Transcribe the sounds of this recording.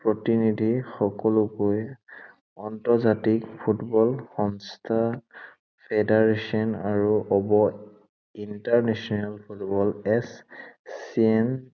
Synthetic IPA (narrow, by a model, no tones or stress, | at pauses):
pɹɔtinidʱixɔkɔlʊkoj | ɔntɔzatikpʰutbɔlxɔnstʰa | pʰedaɹesɔnaɹuʔɔbɔ | intaɹnɛsɔnalpʰutbɔlɛs | iɛn